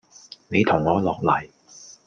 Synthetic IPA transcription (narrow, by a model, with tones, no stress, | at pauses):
ne˨˧jt̪ʰʊ˨˩ŋːɔː˨˧lɔː˨k̚lɐ˨˩j